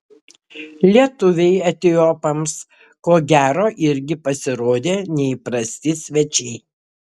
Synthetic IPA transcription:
lʲiɛt̪ʊʋʲɛɪɐt̪ʲɪopɐms | koːɡʲæːɾoːʔɪɾʲɡʲɪpɐsʲɪɾoːd̪ʲeːnʲɛɪpɾɐsʲt̪ʲɪsʲʋʲɛt͡ʃʲɛɪ

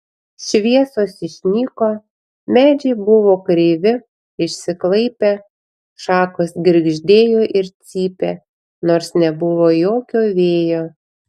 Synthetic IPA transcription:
ʃʲʋʲiɛsoːsɪʃʲnʲiːkoː | mʲæːd͡ʒʲɛɪbʊʋoːkɾʲɪʋʲɪ | ɪʃʲsʲɪklˠɐɪpʲeː | ʃɑːkoːsɡʲɪɾʲɡʒʲd̪ʲeːjoːʔɪɾt̪sʲiːpʲeː | noːɾsnʲɛbʊʋoːjoːkʲoːʋʲeːjoː

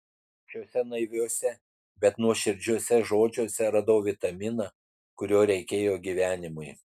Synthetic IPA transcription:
ʃʲoːsʲɛnɐɪʋʲoːsʲɛ | bʲɛt̪nuɔʃʲɪɾʲd͡ʒʲuɔsʲɛʒoːd͡ʒʲoːsʲɛɾɐd̪oːʋʲɪt̪ɐmʲɪnɐ | kʊɾʲoːɾʲɛɪkʲeːjoːɡʲiʋʲæːnʲɪmʊj

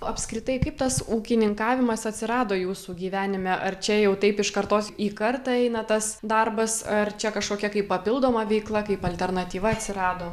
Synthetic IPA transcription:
ɐpʲskɾʲɪt̪ɐɪkɐɪpt̪ɐsuːkʲɪnʲɪŋkɑːʋʲɪmɐsɐt̪ʲsʲɪɾɑːd̪oːjuːsuːɡʲiːʋʲæːnʲɪmʲɛʔɐrt͡ʃʲɛjɛʊt̪ɐɪpɪʃkɐɾt̪oːsiːkɐrt̪ɐɛɪnɐt̪ɐsd̪ɐrbɐsɐrt͡ʃʲɛkɐʃkoːkʲɛkɐɪppːɐpʲɪlˠd̪oːmɐʋʲɛɪklˠɐkɐɪpɐlʲt̪ʲɛrnɐt̪ʲiːʋɐɐt̪ʲsʲɪɾɑːd̪oː

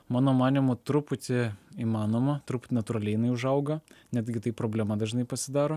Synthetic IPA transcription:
mɑːnoːmɑːnʲɪmʊt̪ɾʊpʊt̪ʲɪiːmɑːnoːmɐt̪ɾʊpʊ̥t̪ʲɪnɐt̪ʊɾɐlʲɛɪjɪnɐɪʊʒɐʊɡɐnʲɛd̪ʲɡʲɪt̪ɐɪpɾoːbʲlʲɛmɐd̪ɐʒʲnɐɪpɐsʲɪd̪ɑːɾoː

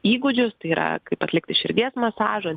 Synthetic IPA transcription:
iːɡʊd͡ʒʲʊst̪ɐɪiːɾɐ̰kɐɪpɐt̪ʲlʲɪkt̪ʲɪʃʲɪɾʲɡʲeːsmɐsɑːʒo

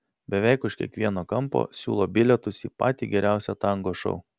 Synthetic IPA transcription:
bʲɛʋʲɛɪkʊʃkʲiɛkʋʲiɛnoːkɐmpo̰ːsʲṵːlˠoːbʲɪlʲɛt̪ʊsiːpɑ̰ːt̪ʲiːɡʲɛɾʲæˑʊsʲɛt̪ɐŋɡoːʃɔ̰ʊ

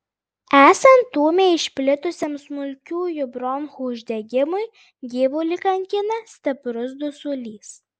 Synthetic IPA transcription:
æːsɐnt̪ːuːmʲeːɪʃʲpʲlʲɪt̪ʊsʲeːmsmʊlʲkʲuːjʊbɾɔnhuːʊʒʲd̪ʲɛɡʲɪmʊɪ | ɡʲiːʋʊlʲɪkɐŋʲkʲɪnɐsʲt̪ʲɐpɾʊs̬d̪ʊsʊlʲiːs

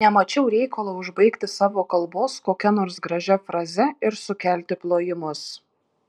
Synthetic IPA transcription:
nʲɛmɐt͡ʃʲɛʊɾʲɛɪkɐlˠoʊʒbɐɪkt̪ʲɪsɑːʋoːkɐlˠˑboːskoːkʲɛnoːɾsɡɾɐʒʲɛfɾɐzʲɛɪɾsʊkʲæːlʲt̪ʲɪplˠoːjɪmʊs

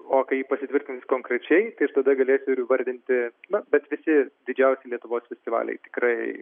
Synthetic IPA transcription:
oːkɐɪjiːpɐsʲɪt̪ʲʋʲɪɾʲt̪ʲɪnʲsʲskoːŋkɾʲɛt͡ʃʲɛɪt̪ɐɪɪʃt̪ɐd̪ɐɡɐlʲeːsʲʊɪɾʋɐɾʲd̪ʲɪnʲt̪ʲɪnɐbʲɛt̪ʋʲɪsʲɪd̪ʲɪd͡ʒʲɛʊsʲɛɪlʲiɛt̪ʊʋoːsfʲɛsʲt̪ʲɪʋɑ̰ːlʲɛ̰ɪt̪ʲɪ̥kɾɐɪ

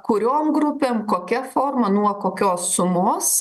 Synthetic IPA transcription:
kʊɾʲoːmɡɾʊpʲeːmkoːkʲɛfoːrmɐnuɔkoːkʲoːsːʊmoːs

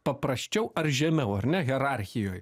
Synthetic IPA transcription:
pɐpɾɐsʲt͡ʃʲɛʊɐrʒʲɛmʲɛʊɐɾnʲɛɣʲɛɾaɾʲxʲɪjoːj

